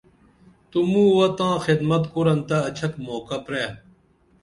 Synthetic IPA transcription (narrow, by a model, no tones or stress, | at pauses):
t̪umũːwɐt̪ãːxid̪mɐt̪kuɾɐnt̪ɐːt͡ɕʰɐkmoːkɐpɾeː